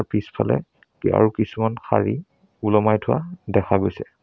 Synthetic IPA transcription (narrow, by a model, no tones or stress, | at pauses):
ɹpispʰalɛ̰ | ka̰ɹukisumanxa̰ɹi | ulɔmajtʰʊa̰dɛkʰaɡojsɛ